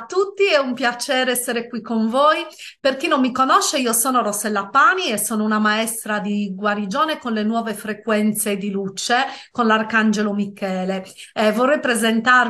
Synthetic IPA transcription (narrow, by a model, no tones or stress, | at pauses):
at̪ːut̪ːiɛumpjat͡ʃɛːɾɛsːeɾekwikːoɱvoːjperkinomːikonɔʃːeiːosɔːnoɾosɛlːapaːniɛsːɔːnounamaɛst̪ɾad̪iɡwaɾid͡ʒɔːnekonlenwɔːvefɾekwɛnt̪sed̪ilut͡ʃekonlarkand͡ʒelomikɛːlevɔrːɛjpɾezent̪ar